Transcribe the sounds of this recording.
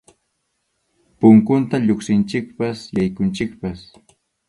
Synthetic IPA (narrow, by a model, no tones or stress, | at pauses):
pʊŋkʊnt̪aʎoχsɪnt͡ʃɪk̚pasjajkʊnt͡ʃɪkpas